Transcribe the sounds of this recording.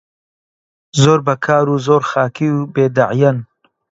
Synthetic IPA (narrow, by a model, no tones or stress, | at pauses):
zoːɾbɐkʰaːɾuːzoːɾxaːkʰiwbeːd̪aʕjɐn